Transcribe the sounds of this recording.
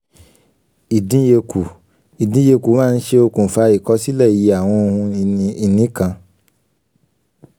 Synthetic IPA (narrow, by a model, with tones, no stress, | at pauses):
i˨dĩ˨˦je˧ku˨ | i˨dĩ˨˦je˧ku˨˦mã˦˧n̩˦ʃe˧o˧kũ˨fa˧i˨kɔ˧˦si˦lɛ˦˨ji˨˧˦a˨w̃ɔ̃˧o˧hũ˧nĩ˧i˧nĩ˨˦kã˧